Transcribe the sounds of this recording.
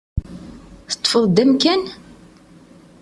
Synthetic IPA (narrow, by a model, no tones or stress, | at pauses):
θə̥t̪ˤːfəðˤd̪æmkæn